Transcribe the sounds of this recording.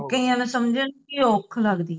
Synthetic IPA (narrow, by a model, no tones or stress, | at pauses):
kəiãːnẽsəmd͡ʒenkiokʰləɡd̪iː